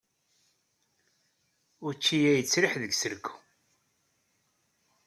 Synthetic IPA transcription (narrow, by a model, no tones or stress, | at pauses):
ʊɾt͡ʃːijæjət͡sːɾɪħðəɡsəɾkːu